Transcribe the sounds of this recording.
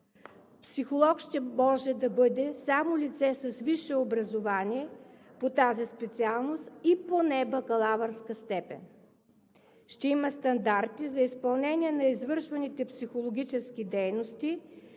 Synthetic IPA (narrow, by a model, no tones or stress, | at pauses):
psixolˠɔkʃt̪ɛmɔʒɛd̪ɐbɤd̪ɛsamolit̪sɛsɐsviʃɛobɾɐzovaniɛpot̪azispɛt̪sialˠnost̪iponɛbɐkɐlˠavɐɾskəst̪ɛpɛ̰n | ʃt̪ɛimɐst̪ɐnd̪aɾt̪izɐispɐlˠnɛniɛnɐizvɤɾʃvɐnit̪ɛpsixolˠoɡʲit͡ʃɛsk̟ʲid̪ɛjnost̪i